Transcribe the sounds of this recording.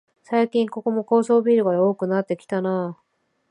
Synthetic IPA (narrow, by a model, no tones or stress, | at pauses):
saikʲĩŋko̞ko̞mo̞ko̞ːso̞ːbʲiːɾɯ̟ɡad̪eo̞ːkɯ̟nat̪ːe̞kʲi̥t̪ana